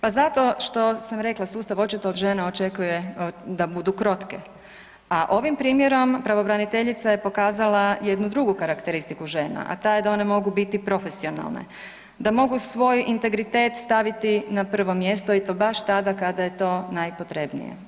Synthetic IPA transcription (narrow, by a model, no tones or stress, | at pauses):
pazat̪o̞ʃt̪o̞samɾe̞klˠasuːst̪aʋo̞t͡ʃit̪oːd̪ʒenao̞t͡ʃe̞kujed̪abud̪ukɾo̞t̪ke̞ | aʔo̞ʋimpɾiːmje̞ɾo̞mpɾaʋo̞bɾanit̪e̞ʎit̪saje̞po̞kaːzalaje̞d̪nud̪ɾuɡukaɾakt̪e̞ɾist̪ikuʒe̞ːna̰ʔa̰t̪ajed̪ao̞ne̞mo̞ɡubit̪ipɾo̞fe̞sio̞na̰lˠnḛ | d̪amo̞ɡusʋo̞jint̪e̞ɡɾit̪e̞ːt̪st̪aʋit̪inapr̩ʋo̞mje̞st̪oit̪o̞ːbaʃt̪ad̪akad̪aje̞t̪o̞ːnajpo̞t̪ɾe̞bnḭjḛ